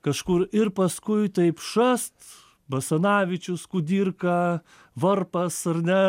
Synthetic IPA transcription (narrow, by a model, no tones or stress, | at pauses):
kɐʃkʊɾɪrpɐskʊɪt̪ɐɪpʃɐst̪ | bɐsɐnɑːʋʲɪt͡ʃʲʊskʊd̪ʲiːrkɐ | ʋɐrpɐsɐrnʲɛ